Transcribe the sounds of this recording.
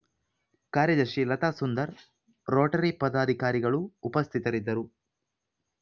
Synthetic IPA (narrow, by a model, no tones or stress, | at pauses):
kaːɾjɐd̪ɐɾʃilɐt̪aːsund̪ɐɾ | ɾoːʈɐɾipɐd̪aːd̪ʱikaːɾiɡɐɭuːpɐst̪ʰit̪ɐɾid̪ːɐɾu